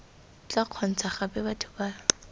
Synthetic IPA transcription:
t͡ɬaq͡χʰɔn̩t͡sʰaχapɛbatʰʊ̥baː

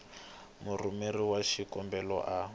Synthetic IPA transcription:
murumeriwaʃikɔmbɛlɔʔa

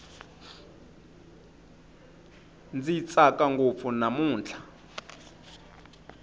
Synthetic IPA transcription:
nd͡zit͡sʼakʼaŋɡop̪funamuːnt͡ɬʰḁ

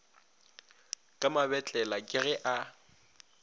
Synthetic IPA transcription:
kʼamabɛt͡ɬʼɛlakʼɪɣɛʔa

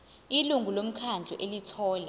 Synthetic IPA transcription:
iluŋɡʱulom̩kʰand͡ɮʱɔ̰ʔelitʰɔːla

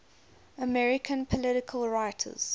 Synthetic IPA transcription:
əmɛɹɪkʰə̃npʰəlɪɾɪkʰəlˠɹaɪtʰə̰z̥

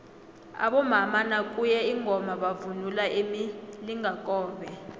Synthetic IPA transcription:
a̰ɓɔmamanakʼujɛiŋʱɔmaɓavunulaʔemiliŋʱakʼɔːɓɛ

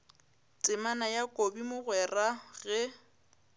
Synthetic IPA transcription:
t͡sʼɪmanajakʼobimʊɣwɛraɣɛ

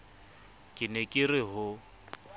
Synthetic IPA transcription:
kʼɪnɛkʼɪrɪɦʊ

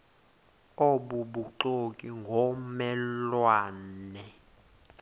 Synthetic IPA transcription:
oɓuɓuǃokʼiŋɡʱɔmɛlwaːnnɛ

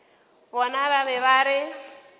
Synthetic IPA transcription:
bɔnaβaβɛβaɾɪ

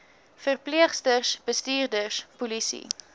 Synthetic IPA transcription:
fərpliəχstərsb̥əstiːrdərspulisḭ

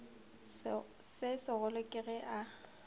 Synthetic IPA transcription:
sɪsɪɣʊlʊkʼɪɣɛʔa

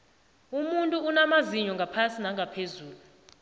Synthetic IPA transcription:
umuntʼuunamaziɲɔŋɡʱapʰasinaŋɡʱapʰezuːlu

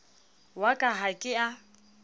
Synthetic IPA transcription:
wakʼaɦakʼɪa

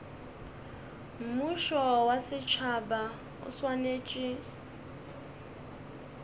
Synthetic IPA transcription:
m̩muʃɔwasɪt͡ʃʰaba | ʊ̰swaneːt͡ʃʼɪ

